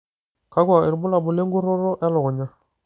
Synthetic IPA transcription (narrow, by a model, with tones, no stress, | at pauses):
ka˦ɡwa˨ɪ˨ɾbʊ˦la˨bʊ˨le˦ŋɡu˦ɾo˦ɾɔ˦ʔɛ˦lɔ˨ɣɔ˨ɲa˦